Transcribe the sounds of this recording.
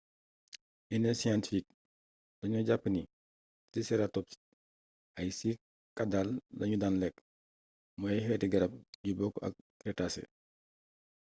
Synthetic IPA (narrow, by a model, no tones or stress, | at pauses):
ʔinɛsijantifik̚ | dɐɲuɟapːni | sisɛɾatɔp̚si̥ | ʔɐjsi | kɐdallɐɲudanlɛk | mɔɛjhɛtiɡɐɾɐp̚ɟubɔkːɐ̰k̚ː | ɾɛtasɛ̰